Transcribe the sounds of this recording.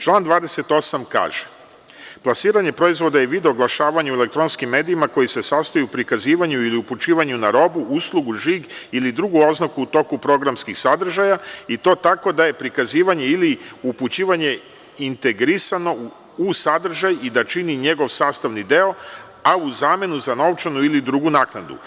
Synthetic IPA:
t͡ʃlˠaːnd̪ʋaːd̪e̞se̞t̪o̞samka̰ːʒe | plˠasiːɾaɲe̞pɾo̞izʋo̞d̪ajeʋid̪oɡlˠaʃaːʋaɲaue̞le̞k̚t̪ɾo̞nskimːe̞ːd̪iimako̞jise̞sast̪ajuupɾikaziːʋaɲuiliuput͡ʃiːʋaɲunaɾo̞buʔuslˠuɡuʒiɡilid̪ɾuɡuo̞znakuut̪o̞kupɾo̞ɡɾamskixsad̪r̩ʒajait̪o̞ːt̪ako̞d̪aje̞pɾikaziːʋaɲe̞iliuput͡ɕiːʋaɲe̞ | int̪e̞ɡɾisano̞ | usad̪r̩ʒajid̪at͡ʃiniɲe̞ɡo̞ʋsaːst̪aʋnid̪e̞o̞ | auzaːme̞nuzano̞ʋt͡ʃanuilid̪ɾuɡunaːknad̪ṵ

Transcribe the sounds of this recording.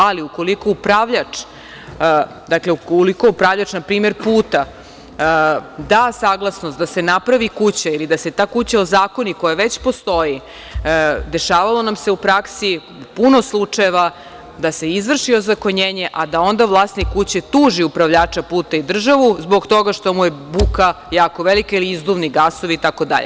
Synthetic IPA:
aliuko̞liko̞upɾaʋʎat͡ʂ | d̪akleukolikoupɾaʋʎat͡ʃnapɾiːme̞ɾpuːt̪a | d̪aːsaːɡlˠasnost̪d̪ase̞napɾaʋikut͡ɕailid̪ase̞t̪aːkut͡ɕao̞zaːko̞niko̞jaʋe̞t͡ɕpo̞st̪o̞ji | d̪e̞ʃaːʋalˠo̞namse̞upɾaksi | puno̞slˠut͡ʂajeʋa | d̪ase̞izʋr̩ʃiozako̞ɲeːɲeʔad̪ao̞nd̪aʋlˠaːsnikkut͡ɕet̪uːʒiupɾaʋʎaːt͡ʂapuːt̪aid̪r̩ʒaʋuzbo̞ɡt̪o̞ɡaʃt̪o̞mujebukajaːko̞ʋelikailiizd̪umniɡaso̞ʋiːt̪ako̞d̪a̰ʎʔḛ

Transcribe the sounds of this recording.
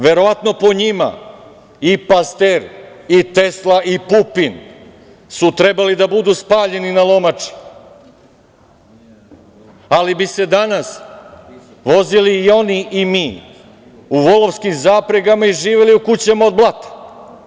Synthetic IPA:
ʋe̞ɾo̞ʋat̪no̞po̞ɲima̰ | ipast̪eɾit̪e̞slˠaʔipupin | sut̪ɾe̞balid̪abud̪uspaːʎe̞ninalˠo̞mat͡ʂi̥ | alibise̞d̪anas | ʋo̞ziliːo̞niʔimiː | uʋo̞lˠo̞ʋskimzaːpɾeɡamaiʒiːʋeliukut͡ɕemaod̪̚blat̪ḁ

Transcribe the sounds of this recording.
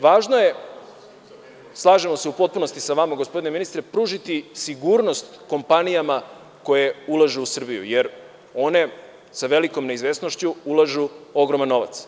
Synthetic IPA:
ʋaːʒnoje̞ | slˠaːʒe̞mose̞upo̞t̪̚puno̞st̪isaʋamaɡospo̞d̪ine̞minist̪ɾepɾuːʒit̪isiɡuɾno̞st̪ko̞mpanijama | ko̞je̞ulˠaʒeusr̩bijṵjeɾ | o̞ne̞ | saʋe̞liko̞mne̞izʋe̞sno̞ʃt͡ɕuulˠaʒuo̞ɡɾomanːo̞ʋa̰t̪s

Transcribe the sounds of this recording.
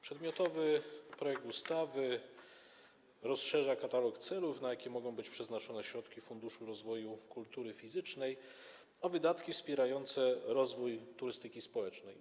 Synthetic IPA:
pʂɛd̪mʲjɔt̪ɔvɘpɾɔjɛk̚t̪ust̪avɘ | ɾɔsʂɛʐakat̪alɔkt̪sɛlufnajakʲɛmɔɡɔ̃w̃bɘt͡ɕpʂɛznat͡ʂɔnɛɕɾɔt̪kʲifund̪uʂuɾɔzvɔjukult̪uɾɘfʲizɘt͡ʂnɛj | ɔvɘd̪at̪kʲifspʲjɛɾajɔnt̪sɛɾɔzvujt̪uɾɘst̪ɘkʲispɔwɛt͡ʂnɛj

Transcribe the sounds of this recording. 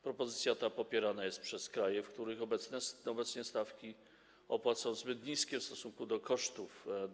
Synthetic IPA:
pɾɔpɔzɘt̪sʲjat̪apɔpʲjɛɾanajɛst̪̚pʂɛskɾajɛfkt̪uɾɘxɔbɛt̪snɛsɔbɛt̪sɲɛst̪afkʲi | ɔpwat̪sɔ̃w̃zbɘt̪ɲiskʲɛfst̪ɔsuŋkud̪ɔkɔʂt̪uf

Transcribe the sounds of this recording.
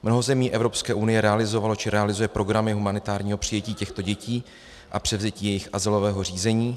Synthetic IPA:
mno̞ɦo̞zɛmiːʔɛvɾo̞pskɛːʔunɪjɛɾɛalɪzo̞valo̞t͡ʃɪɾɛalɪzujɛpɾo̞ɡɾamɪɦumanɪt̪aːɾɲiːɦo̞pr̝̥ɪjɛciːcɛxt̪o̞ɟɛciː | ʔapr̝̥ɛvzɛciːjɛjɪxʔazɪlo̞vɛːɦo̞r̝iːzɛɲiː

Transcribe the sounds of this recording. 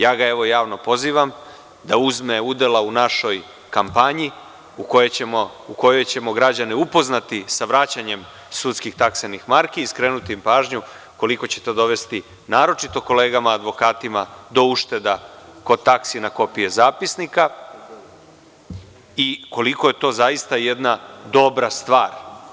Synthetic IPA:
jaːɡae̞ʋo̞jaːʋno̞po̞ziːʋam | d̪auzme̞ud̪e̞launaʃo̞j | kampaɲi | uko̞je̞emo | uko̞jo̞jt͡ɕe̞mo̞ɡɾad͡ʑaneupo̞znat̪isaʋɾat͡ɕaɲe̞m | sut̪skixt̪aksenixmaɾkiːskɾe̞ːnut̪impaːʒɲu | ko̞liko̞t͡ɕe̞t̪od̪o̞ʋe̞st̪i | naːɾo̞t͡ʃit̪o̞ko̞le̞ːɡamaːd̪ʋo̞kaːt̪imad̪o̞uʃt̪e̞d̪ako̞d̪̚t̪aksinako̞pije̞zaːpisnika | iko̞liko̞je̞t̪o̞ːzajist̪ajed̪nad̪o̞bɾast̪ʋaːɾ

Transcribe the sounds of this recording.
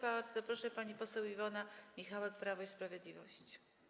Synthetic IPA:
baɾd̪zɔpɾɔʂɛpaɲipɔsɛwivɔnamʲixawɛk̚pɾavɔispɾavʲjɛd̪lʲivɔ̰ɕt͡ɕi̥

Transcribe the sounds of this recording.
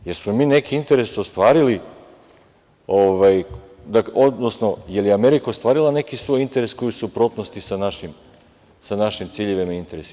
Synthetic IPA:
je̞ɾsmo̞miːne̞kiint̪e̞ɾe̞sost̪ʋaːɾili | oʋaj | d̪aodnosno̞jelijeame̞ɾikaost̪ʋaːɾilˠane̞kisʋo̞jint̪e̞ɾesko̞jisupɾo̞t̪nost̪isanaʃim | sanaʃimt̪siʎeʋimaint̪e̞ɾesi

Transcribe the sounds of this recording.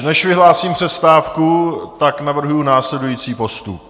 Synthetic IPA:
nɛʃvɪɦlaːsiːmpr̝̥ɛst̪aːfkut̪aknavr̩ɦujunaːslɛdujiːt͡siːpo̞st̪up̚

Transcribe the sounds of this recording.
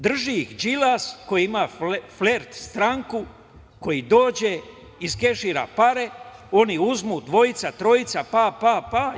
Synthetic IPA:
d̪r̩ʒiixd͡ʒilasko̞jiimafleɾt̪st̪ɾaŋku | ko̞jid̪o̞ːd͡ʑe | iske̞ʃiːɾa̰paɾeo̞niuzmuːd̪ʋo̞it̪sat̪ɾo̞it̪sapapapa

